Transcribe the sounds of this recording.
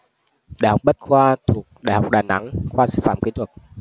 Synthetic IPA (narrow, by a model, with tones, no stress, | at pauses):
ɗaː˧˨jhwk͡p̚ɓə˦˥t̚xwaː˧t̪ʰu˨˩ək̚ɗa̰ː˧˨jha˨˩wk͡p̚ɗaː˨˩na̰˧˦ŋxwaː˧sɨ̰ː˧˩fa̰ː˧˨mki˨˦t̪ʰwə˨˩k̚